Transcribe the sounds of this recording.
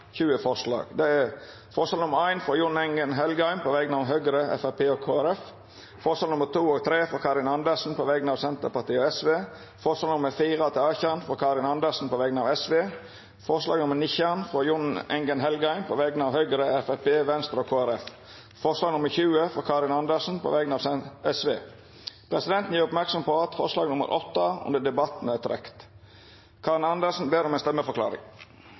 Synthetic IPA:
çʉːəfɔʁʂlɑ̰ːɡd̪ɛæ | fɔʂɑlnʊməɾæɪnfɾɔjʊnɛŋɡənɦɛlɡəæɪmpʰɔːʋɛɡnɑʋɦøːɡəɾəʔɛ̰fæpʰeːokʰoːæɾɛf | fɔʁʂɑlnʊmːət̪ʰuːɔːɡt̪ʰɾeːfɔkʰɑːɾɪnɑnd̪əsn̩pʰɔʋɛɡnɑːʋsɛnt̪əpɑʁt̪ʰiːɔːɛsʋeː | fɔʂɑlnʊmːəfiːʁɑt̪ʰɪlɑːçənfɔkʰɑːɾɪnɑnd̪əsn̩pɔːʋɛɡnɑːʋɛsʋeː | fɔɾslɑ̰ːɡnʊmːənɪçænfɾɔjʊnɛ̰ŋɡənɦɛlɡɑɪnpʰɔʋɛɡənɑːʋhœʏɡəɾəɛfæpeːʋɛnst̪əɾoːkʰoːæɾɛf | fɔʂlɑːɡnʊmːəɾçʉːəfɔkʰɑɾɪnɑnd̪əsn̩pʰɔ̰ːʋɛɡənɑːʋsɛɛsʋeː | pʰɾɛsɪd̪ɛnt̪n̩jiːɾʊpmæɾksɔmpɔɑt̪fɔɾʂlɑːɡnʊmə̰ɾʔɔt̪ːəʊ̰nd̪əd̪ɛbɑt̪n̩æt̪ʰɾɛ̰kt̪ | kʰɑːɾɪnɑnd̪əsn̩beːɾɔmɛɪnst̪ɛmːəfɔɾklɑ̰ːɾɪ̰ŋ

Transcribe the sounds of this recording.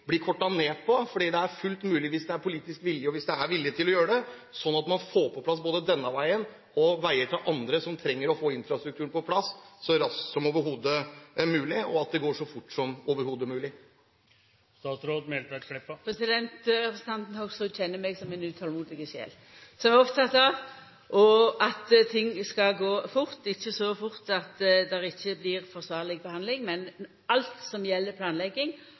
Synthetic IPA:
blɪkʰɔʈːɑneːpʰɔfɔɖiːd̪ɛæɾfʉlt̪mʉːlɪʋiːsd̪ɛæɾpʰʊliːt̪ɪskʋɪljəɔʋɪsd̪ɛæɾʋɪlːɪt̪ʰɪlɔjøːɾəɖɛ | sɔnːɑt̪mɑnfoːpʰɔpʰlɑs̬boːd̪əd̪ɛnːəʋæɪən | ɔʋæɪəɾʈ̪ʰɑːʔɑnd̪ɾəsɔmt̪ʰɾɛŋːəɾɔfoːɪnfɾɑst̪ɾʉk̚t̪ʉːənpɔpʰlɑsːsɔɾɑsksɔmoːʋəɾɦuːd̪əmʉːlɪɔɑt̪̚d̪ɛɡoːʂɔfʊʈːsɔmoːʋəɾhuːd̪əmʉːlɪ | st̪ɑːt̪sɾoːd̪mɛlt̪ʋæʈ̪ʂlɪpːəpʰɾɛsɪd̪ɛnt̪ɾɛpɾəsən̩ɑnt̪n̩hɔɡsɔc͡çɛnːəɾmɛɡsɔmɛnʉːt̪ʰɑlmuːd̪ɪɡəʃjḛːl | sɔmæʁɔpt̪ʰɑt̪ːɑːʋ | ʔɔʔɑt̪t̪ʰɪŋːskɑɡoːfʊɾt̪ɪçːəsɔfʊɾt̪ɑt̪d̪ɛʁɪçːəblɪɾfɔʁsʋɑːʁlɪɡbəhɑnd̪lɪŋmɛn | ɑlt̪sɔmjɛlːəpʰlɑːnlɛɡːɪŋ

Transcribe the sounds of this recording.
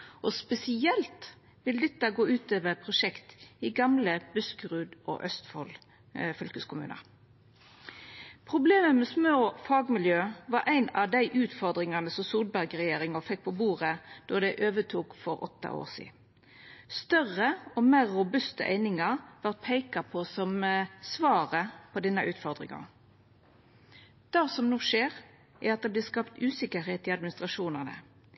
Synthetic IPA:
ʔɔspɛsɪɛlt̪ | ʋɪld̪ɛt̪ːəɡoːʉːt̪øːʋəpʰʁʊʃɛkt̪ɪɡɑmləbʉskʁʉːd̪ɔ̰ʔœst̪fɔl | fʏlkəskʰʊmʉ̰ːnə̰ | pʰʁʊbleːməmɛsmoːfɑːɡmɪljøːʋɑɾʔæɪnɑd̪æɪʔʉːt̪fɔʁd̪ʁɪŋɑnəsɔsuːʁd̪̚bæʁɡʁɛjeːɾɪŋəfɛk̚ːpʰɔbuːʁəd̪̥ɔːd̪æɪʔøːʋət̪ʰuːkfɔɾɔ̰t̪ːɑ̰ʔo̰ːʁsḭː | st̪œʁəɔmeːʁːʊbʉst̪ə̰ʔæ̰ɪnɪŋɑʁʋɑʁt̪̚pʰæɪkɑpʰɔsɔmsʋɑːʁəpʰɔd̪ɛnːəʔʉːt̪fɔʁd̪ɾɪ̰ŋɑ̰ | d̪̥ɑːsɔmnuːʂeːʁ | ʔæɾɑt̪̚d̪ɛːblɛːskɑpt̪ʉːsɪkəɦeːt̪ɪɑd̪mɪnɪst̪ʁɑʂuːnəʁnə̰

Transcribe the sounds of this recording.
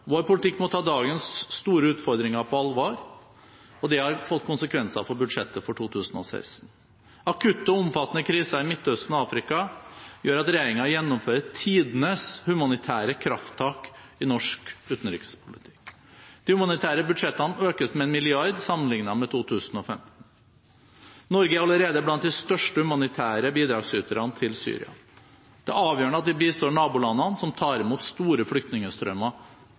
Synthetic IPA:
ʋoːɾpʊlɪt̪ʰɪkːmɔt̪ʰɑːd̪ɑːɡənsːt̪uːɾəʉːt̪fɔɾd̪ɾɪŋɑpʰɔɑlʋɑːɾ | ɔd̪ɛhɑɾfɔt̪ːkʰʊnsəkʰʋɛnsɑ̰fɔɾbʉd̪ʂɛt̪ːəfɔʈʰuːt̪ʰʉːsnɔ̰sæ̰ɪsn | ɑkʰʉt̪ːɔʊmfɑt̪ːənəkʰɾiːsɑɪmɪt̪ːœst̪nɔɑːfɾɪkɑjøːɾɑt̪ɾɛjeːɾɪŋɑjɛnːɔmføːɾət̪ʰiːd̪nəshʉmɑnɪt̪ʰæːɾəkʰɾɑft̪ʰːɑːkɪnɔʂkʉːt̪n̩ɾɪ̰kspʰʊlɪt̪ʰɪ̥k | d̪̥ɪhʉmɑnɪt̪ʰæːɾəbʉd̪ʂɛt̪ːɑnøːkəsmɛɛnmɪlɪɑɾd̪sɑmːənlɪŋnɑmɛt̪ʰuːt̪ʰʉːsn̩ɔfɛ̰mt̪n̩ | nɔɾɡəɾɑləɾeːd̪əblɑnt̪̚d̪ɪst̪œʂʈəhʉmɑnɪt̪ʰæːɾəbiːd̪ɾɑːɡsyːt̪əɾɑnət̪ʰɪlsy̰ːɾɪ̰ɑ̰ | d̪̥ɛʔɑːʋjøːəɳəɑt̪̚d̪ɪbiːst̪oːɳɑːbuːlɑnːɑnsɔmt̪ʰɑːɾɪmuːt̪st̪uːɾəflʏk̚t̪nɪŋəst̪ɾœmɑ

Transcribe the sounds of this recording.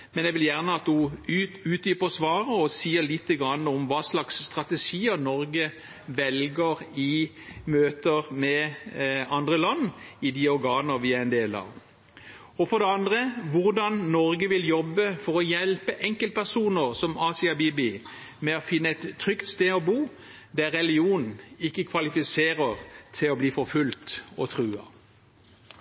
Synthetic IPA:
mɛnjɛʋɪljæʁnəɑt̪d̪ʊʉːt̪j̪yːpəʁɔsʋɑːʁəɔsiːəlɪt̪ːəɡʁɑnːəɔmʋɑːslɑksːt̪ʁɑt̪əʂiːənɔɾɡə | ʋɛlɡəɾɪ | møːt̪əʁmɛ | ɑnd̪ʁəlɑnːɪd̪ɪɔɾɡɑːnəɾʋɪæɛnd̪eːlɑ̰ːʋ | ɔfɔɾd̪ɛɑnd̪ʁəʋʊʁd̪ɑnːɔɾɡəʋɪljɔbːəfɔɾɔjɛlpəʔɛŋkəlt̪̚pʰæʁsuːnəʁsɔmɑːsɪɑbiːbɪ | mɛɔfɪnːəɛɪt̪ʰːʁʏkt̪st̪eːɔbuː | d̪æʁːɛlɪuːnn̩ɪkːəkʰʋɑlɪfɪseːʁəʁt̪ʰɪlɔbliːfɔɾfʉlt̪ɔ̰t̪ʰɾʉːɑ̰

